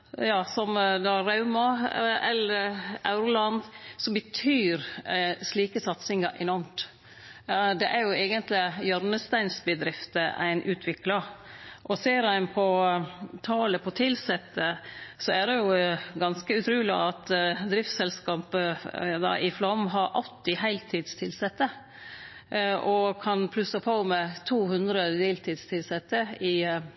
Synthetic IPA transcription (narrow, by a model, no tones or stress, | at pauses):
jɑːsɔmd̪ɑɾɑʉmɑɛlːəɾɑ̰ʉɾʊlɑnd̪sɔmbət̪ʰyːɾsliːkəsɑt̪sɪŋɑʔɛnɔɾmt̪ | d̪ɛʔæɾjʊeɡənt̪lɪjœɾnəst̪æɪnsbəd̪ɾɪft̪əʔæ̰ɪnʔʉːt̪ʰʋɪklɑʔɔseːɾæɪnpʰɔt̪ʰɑːləpʰɔt̪ʰɪlsɛt̪ːəsɔæd̪ɛjʊɡɑnskəʉt̪ʰɾʉːlɪɑt̪d̪ɾɪft̪sɛlskɑːpəd̪ɑ̰ʔɪflɑmɦɑɾʔɑ̰lt̪ɪɦæɪlt̪ʰiːd̪st̪ʰɪlsɛt̪ːə | ʔɔkʰɑnpʰlʉsɑpʰɔmɛt̪ʰuːhʉnd̪ɾəd̪eːlt̪ʰiːd̪st̪ʰɪlsɛt̪ːəɪ